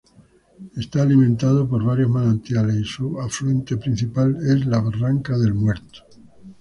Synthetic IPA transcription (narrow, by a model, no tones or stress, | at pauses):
e̞st̪aːlimẽnt̪að̞opo̞ɾβ̞aɾjozmalant̪jalesisuaflɾuent̪e̞pɾin̟θipale̞zlaβaraŋkaðe̞lmwe̞ɾt̪o̥